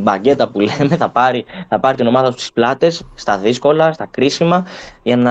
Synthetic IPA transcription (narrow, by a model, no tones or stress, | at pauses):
ibɐɟe̞t̪ɐpuleme̞θɐpɐɾiθɐpɐɾit̪ino̞mɐðɐt̪ust̪i̥splɐt̪e̞sːt̪ɐðisko̞lɐst̪ɐkɾisimɐʝɐnɐ